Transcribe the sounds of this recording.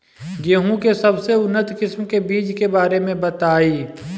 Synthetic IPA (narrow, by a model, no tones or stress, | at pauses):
ɡeːɦũkesɐbseʊnːət̪qɪsmkebiːd͡ʒkebaːɾemẽbɐt̪aːiː